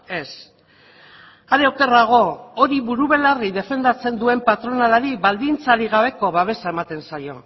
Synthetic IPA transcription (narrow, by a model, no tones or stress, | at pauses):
e̞s | aɾewke̞raɣ̞o̞oɾiβuɾuβe̞lariðe̞fe̞nd̪at͡se̞nd̪ue̞mpat̪ɾo̞nalaɾiβald̪int͡saɾiɣ̞aβ̞e̞ko̞βaβe̞saemat̪e̞nsajo̞̰